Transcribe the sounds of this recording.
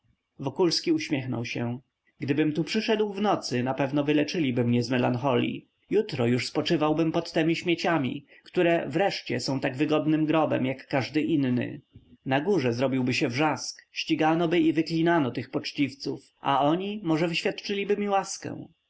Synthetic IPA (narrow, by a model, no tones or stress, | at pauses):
vɔkulskʲiuɕmʲjɛxnɔ̰wɕɛ | ɡd̪ɘbɘmt̪upʂɘʂɛd̪wvnɔt̪sɘnapɛvnɔvɘlɛt͡ʂɘlʲibɘmɲɛzmɛlanxɔlʲḭ | jut̪ɾɔjuʂspɔt͡ʂɘvawbɘmpɔt̪ːɛmʲiɕmʲjet͡ɕamʲḭ | kt̪uɾɛvɾɛʂt͡ɕɛsɔ̃w̃t̪aɡvɘɡɔd̪nɘmɡɾɔbɛ̰mjakːaʐd̪ɘʔinːɘ̰naɡuʐɛzɾɔbʲiwbɘɕɛvʐaskɕt͡ɕiɡanɔbɘivɘklʲinanɔt̪ɘxpɔt͡ʂt͡ɕift̪suf | ʔa̰ɔɲimɔʐɛvɘɕfʲjat̪t͡ʂɘlʲibɘmʲiwaskɛ̰̃w̃